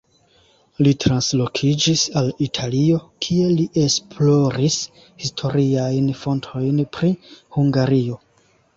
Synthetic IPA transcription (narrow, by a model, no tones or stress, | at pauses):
litɾanslo̞kʰid͡ʒisalitʰalio̞kʰie̞liʔe̞spʰlo̞ɾis | histʰo̞ɾiajnfo̞ntʰo̞jnpɾihuŋɡaɾio̞